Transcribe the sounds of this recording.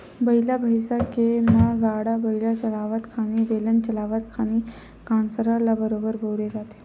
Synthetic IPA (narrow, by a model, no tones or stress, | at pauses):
bəɦilabʱəjsakemaɡaɽabəɦilat͡ɕəlaʋət̪kʰaniʋelənt͡ɕəlaʋət̪kʰañi | kansəɾalabəɾobəɾbʱəwɾed͡zat̪e̥